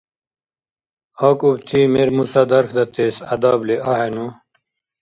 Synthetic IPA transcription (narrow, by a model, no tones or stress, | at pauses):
akubt̪ʰimeɾmusad̪ɐɾkʰd̪ɐt̪eːsɐ̰d̪ableʔaɦenu